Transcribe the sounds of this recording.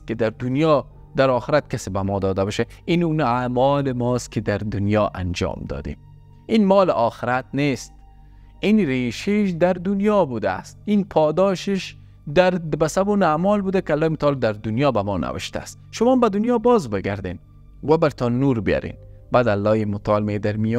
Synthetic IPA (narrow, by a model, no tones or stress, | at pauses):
kɪd̪aɾd̪ʊnjɔ | d̪aɾɒːxɪɾat̪̚kasibamɔːd̪ɔd̪abɔʃe | inunamɒlɪmɔst̪̚kɪd̪aɾd̪ʊnjɒʔa̰nd͡ʒɒ̰ːmd̪ɒ̰ːd̪ḛm | inmɔːlɪʔɒxɪɾat̪̚nest̪ | inɾeʃeʃd̪aɾd̪ʊnjɒbud̪a̰ːst̪̚inpʰɒːd̪ɒʃɪʃ | d̪aɾbasabuːnamɔːlbud̪akɪalːɒːimʊt̪ʰɑːld̪aɾd̪ʊnjɒːbamɔːna̰wɪ̰ʃt̪a̰ːst̪ʃʊmɒːmbad̪ʊnjɒːbɒːzbɪɡaɾd̪en | wabaɾt̪ʰɔnːuːɾbija̰ɾḛnbad̪alːɔːjimʊt̪ʰɑːlmed̪aɾmijɔ